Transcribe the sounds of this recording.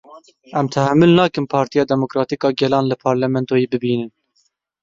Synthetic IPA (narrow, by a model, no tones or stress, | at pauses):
ʔɛmt̪ʰæhæmːɨlnɑːkɨmpʰɑːɾt̪ijɑːd̪ɛmokɾɑːt̪ikɑːɡɛlɑːnlɨpʰɑːɾlɛmɛnt̪oːjeːbɨbiːnɨn